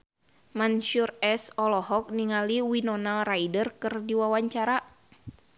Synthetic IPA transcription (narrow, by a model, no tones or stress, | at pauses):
manʃurɛsɔlɔɦɔk̚niŋaliwinɔnalraidərkɨrdiwawaɲt͡ʃaɾa